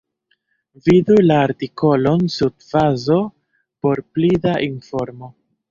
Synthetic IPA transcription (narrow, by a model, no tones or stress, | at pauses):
vidulaːɾtiko̞lo̞nsudfazo̞ | po̞ɾplidaʔinfo̞ɾmo̞